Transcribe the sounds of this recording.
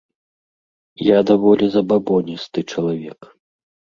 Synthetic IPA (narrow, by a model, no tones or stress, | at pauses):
jad̪avɔlʲɛzɐbabɔnʲist̪ɨt͡ʂɐlˠavʲɛk